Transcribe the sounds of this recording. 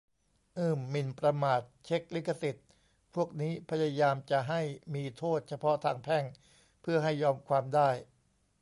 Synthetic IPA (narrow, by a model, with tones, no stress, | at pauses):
ʔɯː˥˩mːi˧npɾa˧maː˨˩t̪̚t͡ɕʰe˦˥k̚li˦˥kʰːa˧si˨˩t̪̚ | pʰu˥˩ək̚niː˦˥pʰa˧ja˧jaː˧mt͡ɕa˨˩ʔɦa˥˩jmiː˧t̪ʰoː˥˩t̪̚t͡ɕʰa˧pʰɔ˦˥t̪ʰaː˧ŋpʰɛ˥˩ŋ | pʰɯ˥˩ɐɦa˥˩jːɔː˧mkʰwaː˧mdaː˥˩j